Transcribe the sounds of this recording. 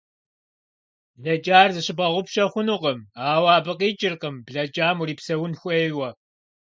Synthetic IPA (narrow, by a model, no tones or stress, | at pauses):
ɮɐd͡ʒʼaːrzɨɕɪbɐʁʷʊpɕɐχʷʊnuqəmaːwaːbɨqʼiːt͡ʃʼɪrqəmbɮɐd͡ʒʼaːmuɾiːpsɐwʊnxʷʼejwɐ